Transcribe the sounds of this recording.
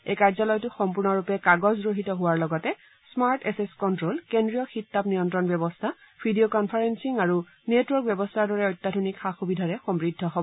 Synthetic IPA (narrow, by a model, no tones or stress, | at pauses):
ekaɹzalɔjtʊxɔmpuɹnɔɹupɛkaɡɔzɹoɦitɔɦʊwaɹlɔɡɔtɛ | smaɹteseskɔntɹolkendɹijɔxitːapnijɔntɹɔnbɔbɔstʰa | bʱidiokɔnpʰaɹensiŋaɹu | netwɔɹk̚bɛbɔstʰaɹdɔɹɛɔjtːadʱunikxaxubidʱaɹɛxɔmɹidʱːɔɦɔbɔ